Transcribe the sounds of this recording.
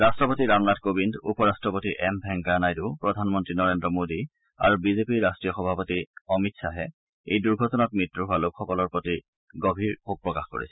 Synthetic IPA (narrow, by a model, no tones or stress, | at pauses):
ɹastɹɔpotiɹamnatkobindupɔɹastɹɔpotiʔɛmbʱɛŋɡanajdupɹɔdʱanmɔntɹinɔɹendɔmodi | a̰ɹubizepiɹːastɹijɔxɔbʱapotiɔmitsaɦɛ | ḛjduɹɡʱɔtɔnat̚mɹitːɹuɦʊalokxɔkɔlɔɹpɹoti | ɡobʱiɹhok̚pɹɔkaxko̰ɹḭsɛ̥